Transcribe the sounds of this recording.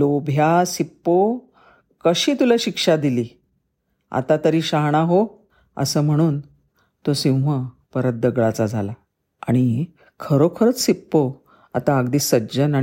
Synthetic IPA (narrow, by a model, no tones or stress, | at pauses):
lobʱjasipːo | kəɕiːt̪ulaɕikʂad̪iliː | a̰t̪at̪əɾiːɕaɦɽ̃aɦo | ə̰səːm̤əɽ̃uːn | t̪osĩwʋə | pəɾət̪̚d̪əɡɭat͡sad͡zʱala | aɽ̃i | kʰəɾokʰəɾət͡ssipːo | at̪aːɡd̪iːsəd͡ʑəna